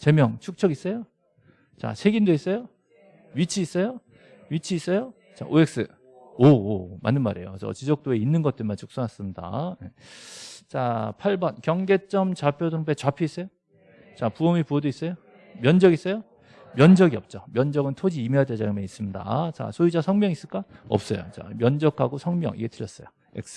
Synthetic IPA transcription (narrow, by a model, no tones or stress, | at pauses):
t͡ɕe̞mjʌŋt͡ɕʰuk̚t͡ɕʰʌɡis͈ʌjo | t͡ɕa̰t͡ɕʰeɡindois͈ʌjo | ɥit͡ɕʰiːs͈ʌjo | ɥit͡ɕʰiːs͈ʌjo | t͡ɕa̰ʔoek̚s͈ɯ | oma̰nːɯnmaɾe̞̰jo̰t͡ɕʌ̰t͡ɕid͡ʑʌk̚t͈oe̞inːɯnɡʌt͈ɯnmant͡ɕʰu̥k̚s͈ʌnɦas͈ɯmɲida̰jḛ | t͡ɕapʰaɭbʌnkjʌŋɡe̞t͡ɕ͈ʌmt͡ɕapʰjodoŋpet͡ɕwapʰjois͈ʌjo | t͡ɕapuʌmipuʌdois͈ʌjo | mjʌnd͡ʑʌɡis͈ʌjo | mjʌnd͡ʑʌɡiʌp̚t͡ɕ͈ʌmjʌnd͡ʑʌɡɯntʰod͡ʑiːmeated͡ʑaɡimenis͈ɯmɲida̰t͡ɕa̰sʰoid͡ʑasʰʌŋmjʌŋis͈ɯɭk͈aʌ̰p̚s͈ʌjo̰t͡ɕa̰mjʌnd͡ʑʌkʰaɡosʰʌŋmjʌ̰ŋḭɡe̞tʰɯɭjʌs͈ʌjo | ḛk̚s͈ɯ̥